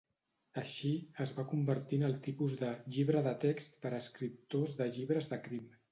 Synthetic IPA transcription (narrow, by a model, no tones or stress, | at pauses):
əʃiəzβakumbəɾt̪inəlˠt̪ipuzðəʎiβɾəðət̪ekst̪pəɾəskɾip̚t̪ozðəʎiβɾəzðəkɾim